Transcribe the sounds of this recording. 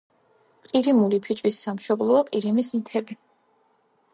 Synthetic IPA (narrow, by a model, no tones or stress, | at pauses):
qʼiɾimulipʰit͡ʃʼwisːamʃɔblˠɔaqʼiɾimismit̪ʰɛbi